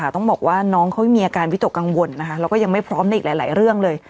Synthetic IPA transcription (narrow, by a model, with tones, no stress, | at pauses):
a˦˩t̪ɔ˥˩bɔː˨˩k̚waː˥˩nɔː˦˥ŋkʰa˦˥m˥˩miː˧ʔaː˧kaː˧nwi˦˥t̪o˨˩kːa˧ŋwo˧nːa˦˥kʰa˦˥lɛː˦˥wkɔː˥˩ja˧ŋma˥˩jpʰɾɔː˦˥mna˥ʔiː˨˩laː˨˦jla̰ː˨˩˦jɾɯ˥˩əŋlɤː˧j